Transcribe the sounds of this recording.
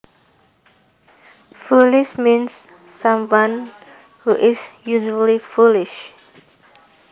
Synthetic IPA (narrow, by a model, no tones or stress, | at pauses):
fuliʃmĩnsː | ãmwãn | huʔɪsjuʒəlifulɪʃ